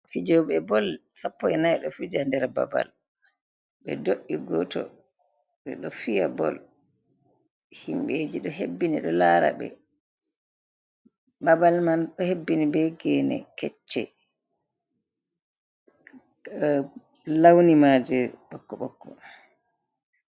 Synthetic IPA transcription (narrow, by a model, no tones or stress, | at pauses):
fid͡ʒɔɓɛbɔlsapːɔɛnajɗɔfud͡ʒandɛɾaba̰ba̰l | ɓɛ̰doʔiɡɔtɔ̰ | ɓɛɗɔfijabɔ̰l | himɓeːd͡ʒiɗɔɦebːiniɗɔlaːɾa̰ɓɛ̰ | babalmanɗɔhebːinibɛɡɛːnɛ̰kɛt͡ʃːɛ | lawnimad͡ʒɛɓɔkːɔɓɔkːɔ